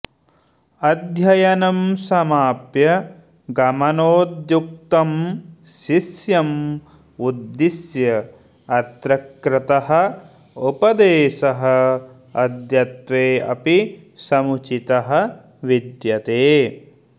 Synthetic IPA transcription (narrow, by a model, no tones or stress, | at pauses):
ɐd̪ʱjɐjɐnɐmsɐmaːpjɐ | ɡɐmɐnoːd̪juk̚t̪ɐmʃisjɐm | ud̪ːisjɐ | ɐt̪ɾɐkɾɪt̪ɐɦɐ̆ | upɐd̪eːʃɐɦɐ | ɐd̪jɐt̪ʋeːɐ̰pi | sɐmut͡ʃit̪ɐɦɐ̆ | ʋid̪jɐt̪eː